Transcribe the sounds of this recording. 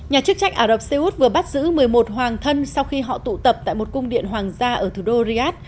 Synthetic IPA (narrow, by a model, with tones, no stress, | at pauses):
ɲaː˨˩t͡ɕɨ˦˥ək̚t͡ɕa˧jŋ̟ʔaː˧˩ɗə˨˩p̚se˧ʔu˦˥t̚vɨ˨˩əɓa˦˥t̚zɨ̰˧˥mɨ˨˩əjmo˨˩t̚ɦwaː˨˩ŋt̪ʰə˧nsa˧wxi˧ɦɔ̰˧˨t̪ṵ˧˨t̪ə˨˩p̚t̪a̰ː˧˨jmo˨˩t̚kʊ˧wŋ͡mɗḭ˧˨ənɦwaː˨˩ŋzaː˧ʔəː˧˩t̪ʰu˨˩ɗo˧zi˧ʔaː˦˥t̚